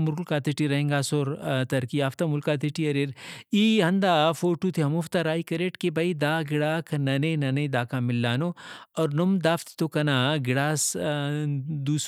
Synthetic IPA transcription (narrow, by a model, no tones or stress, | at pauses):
mʊɾlkaːt̪iʈiɾɐɦẽːŋɡaːsoːɾt̪ɐɾkiaːft̪amʊlkaːt̪iʈiɐɾeɾiːɦɐnd̪aːfoːʈut̪ʰiɦɐmoft̪aɾaːikɐɾeːʈkebɐid̪aːɡɪɽaːkʰnɐneːnɐned̪aːkamɪlːaːnoːɔːɾnʊmd̪aːft̪t̪okɐnaːɡɪɽaːs | d̪uːs